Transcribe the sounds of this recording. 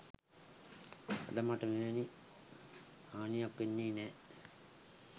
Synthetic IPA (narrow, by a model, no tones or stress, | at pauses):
ɐ̰d̪ɐmaʈəmeʋeni | aːnijakʋenːiːnɛː